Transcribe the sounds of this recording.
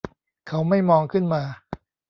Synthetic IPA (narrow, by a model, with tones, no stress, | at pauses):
kʰa˦˥wma˥˩jmɔː˧ŋkʰɯ˥˩nmaː˧